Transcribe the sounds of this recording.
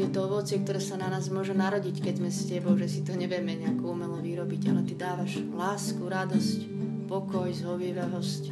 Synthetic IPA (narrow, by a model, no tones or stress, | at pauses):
jɛt̪ɔɔʋɔt͡sɪɛk̚t̪ɔɾɛːsananaːzmʊɔʒɛnaɾɔɟickɛɟzmɛscɛbɔʊʒɛsit̪uɲɛʋjɛmɛɲɛakuumɛlɔʋiɾɔbiɟalɛt̪id̪aːʋaʒ | laːskuɾad̪ɔsc | pɔkɔjzɦɔʋiʋɛɦɔsc